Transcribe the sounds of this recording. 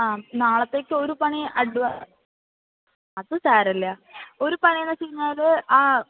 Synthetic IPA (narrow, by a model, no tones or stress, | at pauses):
aːnaːɭɐt̪ːe̞ːkːɨo̞ɾupɐɳiʔɐɽuʋɐ | ɐðɨsaːɾɐlːɐo̞ɾupɐɳijɐnːɐt͡ɕikːiɲːaːlɨaː